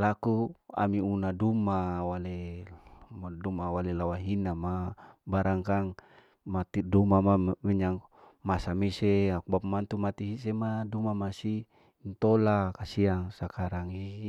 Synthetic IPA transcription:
lakua̰miunadumawale | dumawalelawaɦinamabaɾaŋkaŋ | mat̪idumamamiɲaŋ | masamiseakubapmant̪umat̪iɦisemadumamasi | nt̪olakasiaŋsakʰaɾaŋi

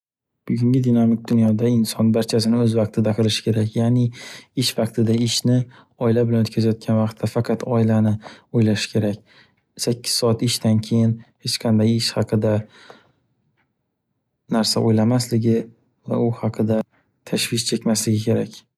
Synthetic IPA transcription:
b̥ʊɡʲʊŋɡʲɪd̪ɪnamɪk̚d̪ʊnjɒd̪aɪnsɒnbaɾt͡ʃʰasɪnɪɵzvɑq̚t̪ʰɪd̪aqʰɨlˠɪʃɪ̥kʲʰe̞ɾakʲjanɪɪʃvɑq̚t̪ʰɪd̪aɪʃnɪ | ɒɪlabɪlanɵt̪̚kʰazajɒt̪̚kʰʲanvɑq̚t̪ʰːafɑqʰɑt̪ʰɒɪlanɪojlaʃɪ̥kʲʰe̞ɾakʲ | sakʲːɪ̥zːɒat̪ɪʃt̪ankʲʰe̞jɪnhet͡ʃqʰɑnd̪ajɪʃhɑqʰɨd̪a | naɾsaʔojlamaslɪɡʲɪ | va̰ʊhɑqʰɨd̪a | t̪ʰaʃvɪʃt͡ʃʰekʲmaslɪɡʲɪkʲʰe̞ɾakʲ

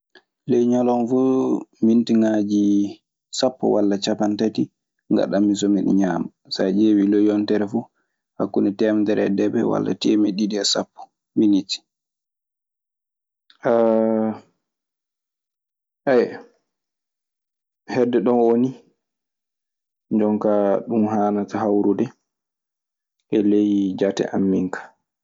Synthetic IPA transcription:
lɛjɲɔlɔnfumintiŋaːd͡ʒi | sapːɔ̰walːat͡ʃapantati | ŋɡa̰ɗamːis̬omin̰ɲaːma | sad͡ʒewilɔjɔntɛɾɛfu | hakːunitɛmdɛɾɛ̰dɛbɛwa̰lːa̰temɛɗidiɛsapːɔ̥ | miniti̥ | a | ʔaj | hɛdːɛɗɔnwoni | ɲd͡ʒɔŋkaɗumɦaːnatahawɾudɛ | ʔɛlejid͡ʒatɛ̰ʔa̰mːiŋkḁ

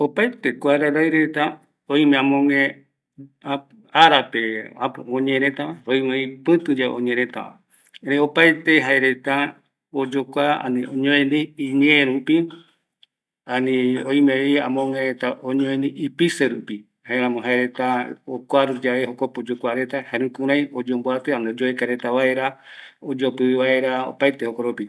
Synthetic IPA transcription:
opajt̪ekʷaɾaɾajɾet̪a | oj̃meãmõŋẽ | a | aɾapeapoõɲẽɾẽt̪aaoj̃meipɨ̃t̪ɨd͡ʒaõɲẽɾẽt̪a̰a̰ | eɾeopajt̪eɦaeɾet̪a | od͡ʒokʷaa̰nĩõɲõẽnĩiɲẽɾupi | ãnĩojmẽʔiamõŋeɾet̪aʔoɲõẽnĩʔipiseɾupi | haeɾãmõɦaeɾet̪aokʷaɾud͡ʒaβehokopod͡ʒokʷaɾet̪ahaɾũkũɾãjod͡ʒomboat̪eaneod͡ʒoekaɾet̪aβae̞ɾaod͡ʒopɨβae̞ɾao̰pajt̪ehokoɾopi

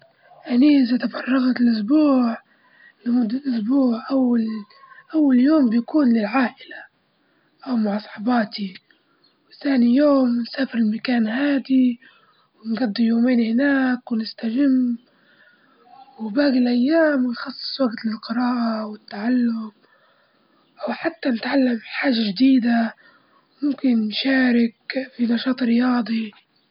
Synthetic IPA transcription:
ʔaniːʔɪzat̪afɑrˤːɑɣat̪ɪlʔʊs̬buːʕ | lɪmʊd̪ːalʔʊsbuːʕʔawːal | ʔawːaljoːmbɪjakuːnlɪlʕaːʔɪla | ʔawmaʕsˤɑ̥ħbɑːt̪i | wɪθaːnijoːmnsaːfɪɾɪlmakaːnhaːd̪i | wɪnɡɑd̪ˤːijoːmeːnhɪnaːkwnɪst̪aʒɪm | wɪbaɡɪlʔajːaːmwɪnxɑsˤːɨ̥sˤwaɡt̪lɪlqɨɾɑːʔawɪt̪ːaʕalːʊm | ʔawħat̪ːanɪt̪ʕalːamħaːʒaʒd̪iːd̪a | mʊmkɪnːʃaːɾɪkfinɑʃɑːt̪ˤɾɪjɑːd̪ˤi

